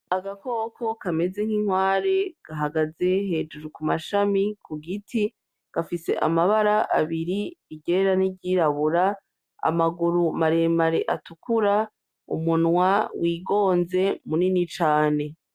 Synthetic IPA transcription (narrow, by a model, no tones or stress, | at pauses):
aɡako̞ːkʰo̞kame̞ze̞ŋ̥hiŋ̥waːɾe̞ɡ̥aɦaɡaze̞ɦe̞ːd͡ʒuɾukumaʃamikʰuɡiti | ɡ̥afise̞̰ʔa̰maβaɾaʔa̰βiɾiiɟeɾaniɟiɾaβuɾa | a̰maɡuɾumaɾe̞maɾeʔatukuɾa | ṵmunwawiːɡo̞ːnze̞muninit͡ʃaːne̞